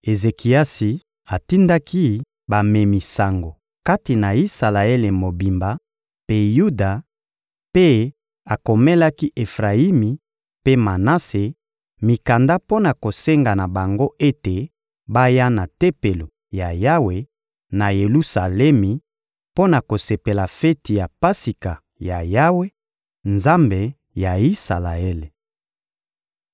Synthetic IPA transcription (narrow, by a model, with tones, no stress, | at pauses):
e˨ze˨ki˨a˦si˨ | a˨ti˦nda˦ki˦ | ba˨me˨mi˨sa˨ŋɡo˨ | ka˦ti˨na˨i˦sa˨la˨e˦le˨mo˨bi˨mba˨ | pe˦ju˦da˨ | pe˦ | a˨ko˨me˦la˦ki˦ʔe˨fʁa˨i˦mi˨ | pe˦ma˨na˦se˨ | mi˨ka˨nda˦po˦na˨ko˨se˦ŋɡa˨na˨ba˨ŋɡo˦ʔe˦te˨ | ba˦ja˦na˨te˦pe˨lo˨ | ja˨ja˦we˨ | na˨je˨lu˦sa˨lɛ˦mi˨ | po˦na˨ko˨se˨pe˨la˨fɛ˦ti˨ja˨pa˦si˨ka˨ | ja˨ja˦we˦ | nza˦mbe˨ | ja˨i˦sa̰˨la̰˨ɛ˦le˨